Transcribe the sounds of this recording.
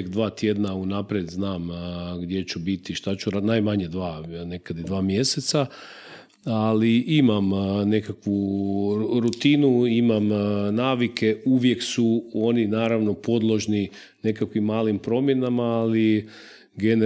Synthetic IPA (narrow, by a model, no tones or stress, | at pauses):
kd̪ʋaːt̪je̞d̪naunapɾjed̪znaːmɡd̪je̞t͡ɕubit̪iʃt̪at͡ɕuɾanajmaɲed̪ʋaːne̞kad̪id̪ʋaːmje̞se̞t̪sa | aliimamne̞kakʋu | ɾut̪inuimamnaːʋikʰe̞uʋje̞ksuo̞ninaːɾaʋno̞po̞d̪lˠo̞ʒni | ne̞kakʋimːaːlimpɾo̞mje̞namaːli | ɡen